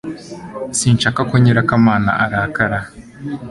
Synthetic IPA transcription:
siːnt͡ʃakakoɲiɾakamaːna̰ʔaɾaːkaɾa

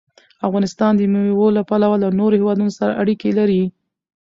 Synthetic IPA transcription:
afɣɑnɪst̪ɑnd̪əmiiwolapalawalanoɾohewɑd̪unosaɾa̰ʔaɽikelaɾi

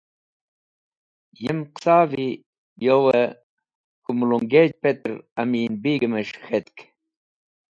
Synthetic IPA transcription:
jəmqsaːvi | jowe | kumuluŋɡed͡ʑpet̪ɾamiːnbiɡəməɕxet̪k

